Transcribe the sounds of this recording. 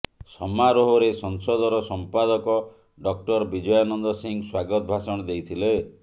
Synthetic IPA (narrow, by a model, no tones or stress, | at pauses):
sɔmaɾoɦɔɾesɔŋsɔd̪ɔɾɔsɔmpad̪ɔkɔ | ɖɔk̚ʈɔɾbid͡ʒɔjanɔnd̪ɔsiŋswaɡɔt̪bʱasɔɽ̃ɔd̪ejt̪ʰile